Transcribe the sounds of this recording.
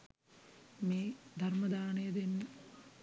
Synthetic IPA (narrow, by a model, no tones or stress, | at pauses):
meːd̪ʱarməd̪aːnəjəd̪enːə